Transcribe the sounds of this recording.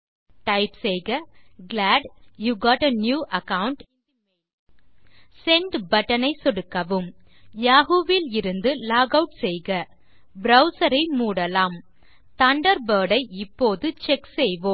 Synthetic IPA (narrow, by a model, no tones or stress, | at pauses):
ʈɐɪpsɛjɣɐɡlaːɖjuːɡɔːʈɐnjuːʔɐkɐwʊɳʈ | sɛɳɖbɐʈːɐnɐɪsɔɽɯkːɐʋɯm | jaːɣuːʋɪlɪɾɯnd̪ɯlaːɡɐʊʈsɛjɣɐ | bɾɐʊsɐɾɐɪmuːɽɐlaːm | t̪ɐɳɖɐɾbəːɽɐɪɪpːoːðɯt͡ʃɛksɛjʋom